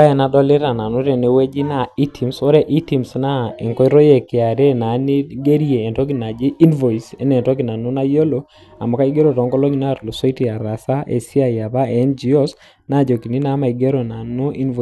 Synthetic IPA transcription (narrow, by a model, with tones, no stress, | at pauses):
a˦je˨na˦dɔ˦le˦ɾa˨na˨nu˦ɾe˨ne˨we˦d͡ʒi˦na˨i˦tʰi˨mso˦ɾɛ˨ʔi˦ti˨msna˦ḛ˨ŋkɔ˦i˦ɾo˦je˨ke˨a˨ɾe˦na˨˦ni˦ɡe˦ɾieː˨nto˦ki˨na˨d͡ʒi˦i˦nvɔ˨i˨se˦nɛ˨tɔ˦ki˨na˨nu˦na˦jo˦lo˦ | a˨mɔ˨ka˦i˦ɡe˦ɾo˨tɔ˨˦ŋɡɔ˦lo˦ɲi˦na˦˨tlo˨so˦i˦ti˨a˨ɾa˨sa˦ʔḛ˨si˦a˦ja˨βa˦ɛ˨˦nd͡ʒi˨o˦s | na˦˨d͡ʒo˨ki˨ni˦na˨˦ma˨i˨ɡe˦ɾo˨na˨nu˦ʔi˦nv